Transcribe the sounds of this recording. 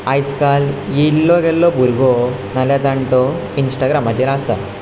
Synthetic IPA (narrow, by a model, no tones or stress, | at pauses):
ajt͡skaljilːɔɡʱɛlːɔbʱuɾɡɔ | naljad͡zaɳʈɔ | insʈaɡɾamat̪eɾasa̰